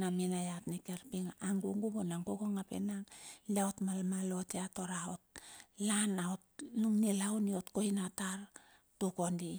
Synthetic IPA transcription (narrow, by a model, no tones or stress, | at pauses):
naminajatnikeɾpiŋaaŋɡuŋɡubonaŋɡokoŋapḛnaŋliaotmalmalo̞teato̞ɾaot̚lanaotluŋnilawnio̞tko̞jnataɾ | tuko̞ndi